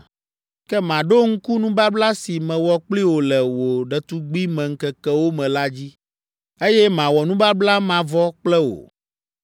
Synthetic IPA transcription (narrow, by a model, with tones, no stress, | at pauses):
kɛ˦mã˨ɖo˦ŋ̩˦ku˦nũ˦ba˦bla˦si˨mɛ̃˨wɔ˦k͡pli˦wo˨lɛ˨wo˨ɖɛ˨t̪u˦ɡ͡bi˦mɛ̃˨ŋ̩˨kɛ˨kɛ˦wo˦mɛ̃˨la˦d͡ʑi˦ | e˦jɛ˦mã˨wɔ˨nũ˦ba˦bla˦mã˨vɔ˦k͡plɛ˦wo̰˨